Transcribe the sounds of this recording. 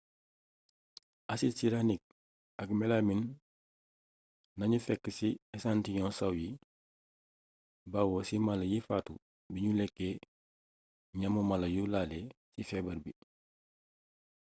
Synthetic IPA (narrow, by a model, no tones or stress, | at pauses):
ʔasisiɾanik̚ | akmelamin | naɲufekːsiesantiɲɔ̃ːnsawji | bawosimalɐjifatu | biɲulekːe | ɲamumalɐjulale | sifeːbɐɾbi